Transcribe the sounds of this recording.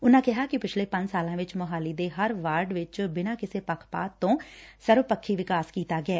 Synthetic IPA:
ʊnãːkɪɦaːkɪpɪt͡ʃʰleːpə̃ɲd͡ʒsaːlãːʋɪt͡ʃməɦaːliːd̪eːɦəɾʋaːɾɖʋɪt͡ʃbɪnãːkɪseːpəkʰpa̰ːt̪ːõːsəɾʋpəkʰːiːʋɪkaːskiːt̪aːɡɪɛː

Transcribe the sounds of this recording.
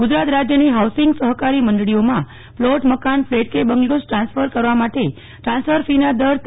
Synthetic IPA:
ɡʊd͡ʒɾat̪ɾad͡ʒjəniɦawsɪŋɡsəɦəkaɾiməɳɖɽiomã | ploʈməkanfleʈ̚kebəŋɡlosʈɾãnsfəɾkəɾʋamaʈe | ʈɾãnsfəɾfinad̪əɾt̪

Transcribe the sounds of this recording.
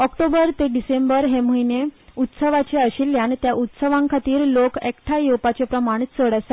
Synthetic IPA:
ɔkʈobəɾt̪eɖisembəɾɦeməineut̪səʋat͡ɕeəɕilːjant̪jaʔut̪səʋãŋkʰat̪iːɾlokekʈʰajewpat͡ɕepɾəmaɳ̃t͡səɽəsa

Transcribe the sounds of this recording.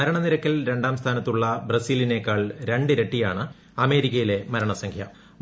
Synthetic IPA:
ɐɾɐɳɐniɾɐkːɐlɾe̞ɳɖaːmst̪ʰaːnɐt̪ːuɭːɐbrɐsiːline̞kːaːɭɾe̞ɳɖɨɾe̞ʈːijaːɳɨ | ɐme̞ːɾikʲːɐjile̞mɐɾɐɳɐsɐŋkʰjɐ

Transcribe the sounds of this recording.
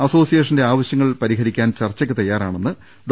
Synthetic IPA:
ɐso̞ːsijeːʂ̬ɐnde̞aːʋɐɕjɐŋːɐɭpɐɾiɦɐɾikʲːaːnt͡ɕɐrt͡ɕːɐkːɨt̪ɐjːaːɾa̰ːɳenːɨ | ɖ

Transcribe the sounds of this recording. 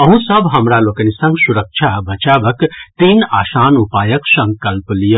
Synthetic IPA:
əɦũsəbʱɦəmɾalokənisə̃ŋɡsuɾək̚t͡ʃʰabʱət͡ʃabəkt̪inasaːnupajəksə̃ŋkəlplijə

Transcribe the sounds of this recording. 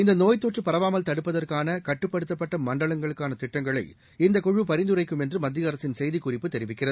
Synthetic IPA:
ɪnd̪ɐnoːjt̪ːoːʈrɯpɐɾɐʋaːmɐlt̪ɐɽɯpːɐðɐrkaːnɐkɐʈːɯpːɐɽɯt̪ːɐpːɐʈːɐmːɐɳɖɐɭɐŋɡɐɭɯkːaːnɐt̪ɪʈːɐŋɡɐɭɐɪ | ɪnd̪ɐkɔɻɯpɐɾɪnd̪ɯrɐɪkːɯmɛndrɯmɐd̪ːɪjɐɾɐsɪnsɛjðikːʊrɪpːɯt̪ɛɾɪʋɪkːɪrɐðɯ

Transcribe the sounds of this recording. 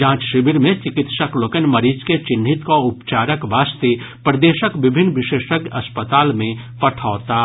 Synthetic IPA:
d͡ʒãːt͡ʃʃɪbiɾmẽt͡ʃɪkɪt̪ʃəkloːkənmɐɾiːd͡ʒket͡ʃɪn̤ɪt̪kaʊpt͡ʃaːɾəkʋaːst̪e | pɾəd̪eːʃəkʋɪbʱɪnːʋɪʃeːʃəkɐspət̪aːlmẽ | pɐʈʰaːt̪aː

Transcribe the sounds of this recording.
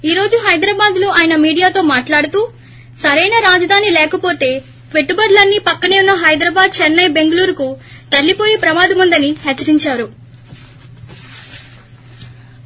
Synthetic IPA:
iːɾo̞ːd͡ʒuɦɐjd̪ɾaːbaːd̪lo̞ːʔaːjɐnɐmiːɽijaːt̪o̞ːmaːʈlaːɽut̪uː | sɐɾɐjnɐɾaːd͡ʒɐd̪ʱaːnilɛːkɐpo̞ːt̪e̞ː | ʈʋeʈːubɐɾlɐnːipɐkːɐneːunːɐɦɐjd̪ɾɐːbaːd̪̚t͡ʃɛnːɐjbe̞ŋɡɐluːɾukut̪ɐlːipo̞ːjeːpɾɐmaːd̪ɐmund̪ɐniɦɛt͡ʃːɐɾiɲt͡ʃaːɾu

